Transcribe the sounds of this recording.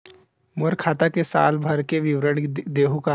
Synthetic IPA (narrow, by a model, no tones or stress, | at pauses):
mʊɾkʰaːt̪akesa̰ːlbʱɐɾkeʋɪʋɾəɽ̃d̪eːɦuka